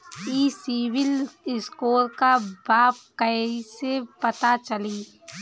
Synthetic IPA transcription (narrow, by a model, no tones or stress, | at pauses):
iːsiːwɪlɪskoːɾkabaːp̚kəɦisepɐt̪at͡ʃəliː